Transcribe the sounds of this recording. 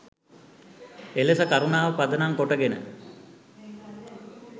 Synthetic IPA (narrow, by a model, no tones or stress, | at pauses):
elesəkaɾunaːʋəpad̪ənaŋkoʈəɡenə̰